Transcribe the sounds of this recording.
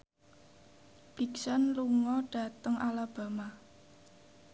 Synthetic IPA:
piksanluŋɔɖ̥ä̤t̪əŋʔalab̥a̤ma

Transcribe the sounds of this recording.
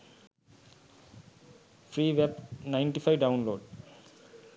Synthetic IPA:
fɾiːʋɛpnãɪ̃ɳʈifaɪɖãʊ̃nloːɖ

